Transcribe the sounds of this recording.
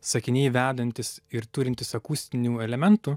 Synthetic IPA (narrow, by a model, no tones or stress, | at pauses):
sɐkʲɪnʲɛɪʋʲæːd̪ɐnʲt̪ʲɪsɪɾt̪ʊɾʲɪnʲt̪ʲɪsɐkuːsʲt̪ʲɪnʲuːɛlʲɛmʲɛnt̪u